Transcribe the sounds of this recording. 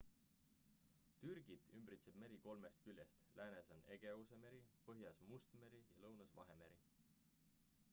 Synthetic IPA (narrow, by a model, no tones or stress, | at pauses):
t̪yrɡ̥it̪ymbɾit̪seb̥me̞ɾiko̞lme̞st̪kylʲje̞st̪lʔæːneso̞ne̞ɡ̥e̞use̞me̞ɾipɤɦjɑsmust̪me̞ɾijɑlɤwnɑsvɑ̰ɦe̞meɾi